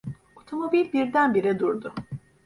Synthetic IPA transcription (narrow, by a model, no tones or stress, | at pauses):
o̞t̪ʰo̞mo̞bilʲbiɾd̪ænbiɾɛd̪uɾd̪ʊ